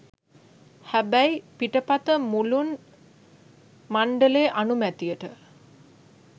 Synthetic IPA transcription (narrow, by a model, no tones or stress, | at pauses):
hæbæjpiʈəpat̪əmulun | maɳɖəleːʔanumæt̪ijəʈə